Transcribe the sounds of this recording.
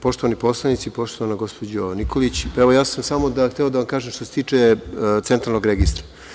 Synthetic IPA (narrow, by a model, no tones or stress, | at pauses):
po̞ʃt̪o̞ʋanipo̞slˠanit̪sipo̞ʃt̪o̞ʋanaɡo̞spod͡ʑonikolit͡ɕeʋo̞jaːsamsamo̞d̪axt̪eod̪aʋamkaːʒemʃt̪oset̪iːt͡ʂet̪sent̪ɾalnoɡɾeɡist̪ɾḁ